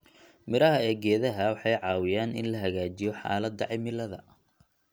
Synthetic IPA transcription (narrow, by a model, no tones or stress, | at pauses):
mɪɾɐɦɐɛːɡɛːðɐɦɐwɑħɑjʕɑːwɪjaːnɪ̰nlɐɦɐɣaːt͡ʃɪjɔħɑ̰ːlɐd̪ɐ̰ʕɪmɪlɐðɐ̰